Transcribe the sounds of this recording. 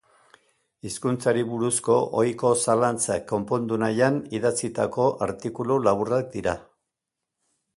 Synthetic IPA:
iskunt͡saɾiβuɾusko̞ʔojko̞salant͡sakːo̞mpo̞nd̪unajaniðat͡sit̪ako̞ʔa̰ɾt̪ikululaβurak̚d̪iɾa

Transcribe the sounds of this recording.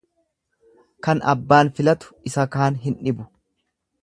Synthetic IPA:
kɐnɐ̰bːaːnfɪlɐt̪ʊ̥ɪsɐkaːnɦɪnᶑɪbʊ̥

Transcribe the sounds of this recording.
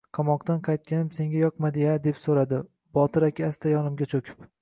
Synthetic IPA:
qʰɑmɒqt̪anqʰɑjt̪̚kʲanɪpse̞ŋɡʲajɒqmad̪ɪjad̪e̞psoɾad̪ɪ | bɒt̪ɪɾakʲʰɪast̪ajɒnɪmɡʲat͡ʃʰokʲʰɪ̥p

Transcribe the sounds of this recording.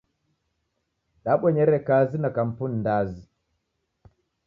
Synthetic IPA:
ɗaɓɔɲɛɾɛkazinakampunːdaːzi

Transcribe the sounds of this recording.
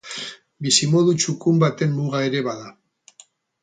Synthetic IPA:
bisimo̞ðut͡ʃukumbat̪e̞mːuɣae̞ɾe̞βaða

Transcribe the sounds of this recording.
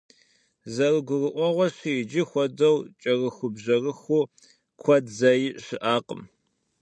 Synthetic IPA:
zɐrɨɡʷʊrɨʔʷɔʁʷɔɕijɪd͡ʒɪxʷɔdɐwt͡ʃʼɐrɨxʷʊbʑɐrɨxʷuː | kʷʰɔdzɐjɪɕɪʔaːqʼə̰m

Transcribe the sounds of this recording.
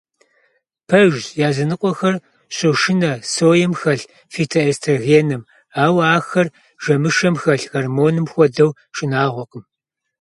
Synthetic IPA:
pʰɐʒjaːzɐnɨqʷʼɔxɐr | ɕʼɨʃɪnɐsoːjɛmxɐɬ | fiːtʰɐestʰɐɣiɛnɐm | aːwaːxɐr | ʒɐmɨʃɐmxɐɬxɐrmoːnɨmxʷɔdɐw | ʃʼɪnaːʁʷɔqʼəm

